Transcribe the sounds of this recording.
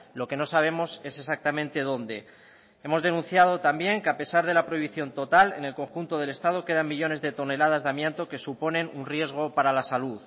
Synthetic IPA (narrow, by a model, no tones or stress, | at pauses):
lo̞ke̞no̞saβ̞e̞mo̞se̞se̞sak̚t̪amẽ̞nt̪e̞ð̞o̞nd̪e̞ | e̞mo̞zðe̞nũn̟θjað̞o̞t̪ambje̞ŋkeape̞saɾðe̞lapɾo̞iβiθjo̞nt̪o̞t̪alḛne̞lko̞ŋxunt̪o̞ð̞e̞le̞st̪að̞o̞ke̞ð̞aŋmiʎo̞ne̞zðe̞t̪o̞ne̞lað̞azðeamje̞nt̪o̞ke̞supo̞nẽ̞nunrje̞zɣ̞o̞paɾalasaluð